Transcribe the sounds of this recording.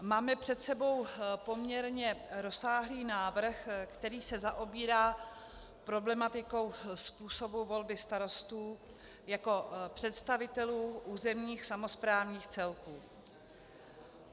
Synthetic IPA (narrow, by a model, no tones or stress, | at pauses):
maːmɛpr̝̥ɛt̪sɛbo̞wpo̞mɲɛɾɲɛɾo̞saːɦliːnaːvr̩xkt̪ɛɾiːsɛzaʔo̞biːɾaː | pɾo̞blɛmat̪ɪko̞wspuːso̞buvo̞lbɪst̪aɾo̞st̪uː | jako̞pr̝̥ɛt̪st̪avɪt̪ɛluːʔuːzɛmɲiːxsamo̞spɾaːvɲiːxt͡sɛlkuː